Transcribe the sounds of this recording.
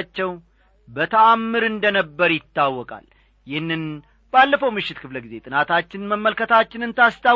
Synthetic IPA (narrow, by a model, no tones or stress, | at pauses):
t͡ʃːɛw | bət̪ʰəamːɨɾɨnd̪ənəbːəɾjɪt̪ːawːɔkʼa̰l | jɪhnːɨn | b̥alːəfəwmɨʃːɪt̪kʰɨfləɡize̞t̪ʼɨnat̪ʰat͡ʃːɪnməmːəlkʰət̪ʰat͡ʃːɪnɨnt̪ʰast̪ʰa